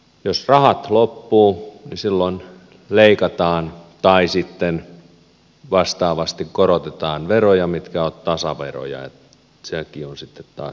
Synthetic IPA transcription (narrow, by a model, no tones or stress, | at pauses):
josrɑhɑt̪lopːuːnisilːon | leikɑt̪ɑːnt̪ɑisit̪ːen | ʋɑst̪ɑːʋɑst̪ikkoɾot̪et̪ɑːnʋerojɑmit̪kæot̪t̪ɑsɑʋḛro̰jɑ̰ḛ | sekionsit̪ːet̪t̪ɑ̰ːs